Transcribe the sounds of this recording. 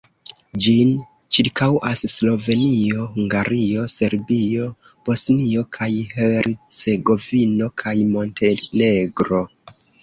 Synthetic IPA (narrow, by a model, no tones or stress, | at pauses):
d͡ʒin | t͡ʃiɾkawʔasːlo̞ve̞nio̞huŋɡaɾio̞se̞ɾbio̞ | b̥o̞snio̞kʰajheɾʔit͡se̞ɡo̞vino̞kʰajmo̞nte̞ne̞ɡɾo̞